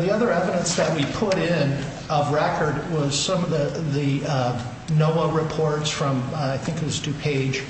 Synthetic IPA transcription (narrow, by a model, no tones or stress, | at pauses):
ðiʌðə˞ɛvɨɾə̃nsðɨʔ̚wipʰʊɾɪ̃n | ʌvɹɛkʰə˞d̚wʌz̥sʌ̃mʌvðɨðɨ | noʊəɹɨpʰɔɹtsfɹʌ̃maɪθɪ̃ŋkʌzdʉpʰeɪd̥ʒ̥